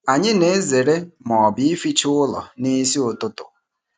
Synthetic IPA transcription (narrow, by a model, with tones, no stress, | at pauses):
a˨ɲɪ˦ne˨˦ze˨ɾe˦mɔ˨bɪ˦i˦fi˦t͡ʃʊ˦lɔ̰˨ni˦si˦ʊ˨tʊ˦tʊ̰˨